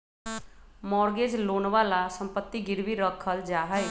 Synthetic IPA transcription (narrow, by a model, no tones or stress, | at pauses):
mɔːɾɡeːd͡ʒloːnʋaːlasəmpət̪ːiɡɪɾʋiɾəkʰːəld͡ʒaːɦəe